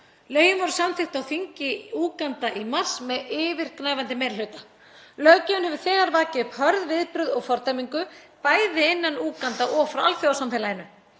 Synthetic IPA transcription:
lœːɥjʏmvɔɾʏ̥samθɪxt̪awθiɲcɪuːkant̪aʔimar̥smɛðɪːvɪɾ̥knaːjvant̪ɪmejɾlœɥt̪a | lœːcʏʏnhɛvʏ̥θɛːɣaɾvaːcɪʏphœɾðvɪðpɾʏðɔɣfɔɾt̪ajmiŋkʏ | paːjðɪɪnːanuːkant̪aʔɔːfɾawa̰lθjɔwawsamfɛːlajɪnʏ

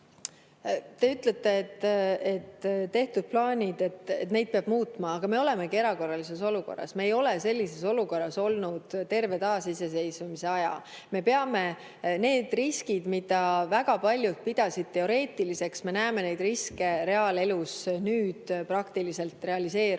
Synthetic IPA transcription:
t̪e̞yt̪ˑlet̪ˑːe̞ːt̪ːe̞t̪ːt̪ːe̞ht̪ud̪̥̚plɑːnʲid̪e̞t̪ːet̪ne̞jd̪̚peɑb̥muːt̪ˑmɑːɡ̥ɑme̞o̞le̞me̞ɡie̞ɾɑko̞rːɑlis̬e̞so̞luko̞̰rːɑ̰sme̞ːjo̞le̞se̞lʲːise̞so̞luko̞rːɑso̞lnud̪̥t̪e̞rve̞t̪ɑːsise̞se̞jsumise̞ɑjɑ̰ | me̞peɑme̞ | ne̞ːd̪̥riskid̪mid̪̥ɑvæɡ̥ɑpɑlʲjut̪̚pid̪̥ɑsid̪̥̚t̪e̞o̞ɾe̞ːt̪ːˑilise̞ksme̞næːme̞ne̞jd̪̥riske̞ɾe̞ɑːle̞lusnyːd̪̥prɑkt̪ilise̞lt̪re̞ɑlise̞ːɾ

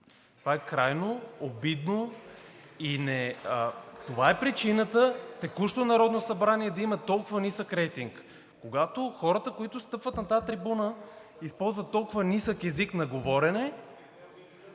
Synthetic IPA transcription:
t̪ovaɛkɾajnoobid̪no | inɛət̪ovaɛpɾit͡ʃinət̪ət̪ɛkuʃt̪onɐɾɔd̪nosɐbɾaniɛd̪ɐimət̪ːɔlˠkʊvənisəkɾɛjt̪iŋk | kːoɡat̪oxɔɾət̪əkoit̪ʊst̪ɤpvət̪nɐt̪at̪ɾibunə | ispɔlˠzvət̪ːɔlˠkʊvənisəkɛziknɐɡovɔɾɛnɛ

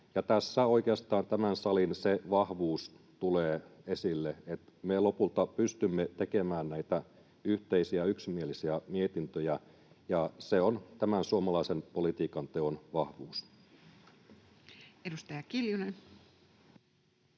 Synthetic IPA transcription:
jɑt̪æsːæo̞ikeɑst̪ɑːnt̪æmænsɑlinseʋɑhʋuːs | t̪uleːesilːeet̪melopult̪ɑpyst̪ymːet̪ekemæːnnæit̪æ | yht̪eisiæyksimielisiæmiet̪int̪øjæ | jɑseont̪æmænsuomɑlɑisenpolit̪iːkɑnt̪eonʋɑhʋuːs | edust̪ɑjɑkiljunen

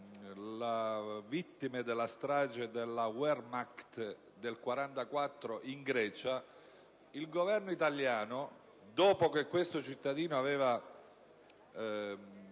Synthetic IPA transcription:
lavit̪ːimed̪elːast̪ɾaːd͡ʒed̪elːawɛrmakt̪ | d̪elkwaɾant̪akwat̪ːɾoʔiŋɡɾɛːt͡ʃa | ilɡovɛrnoit̪aljaːno | d̪oːpokekːwest̪ot͡ʃit̪ːad̪iːnoavɛːva

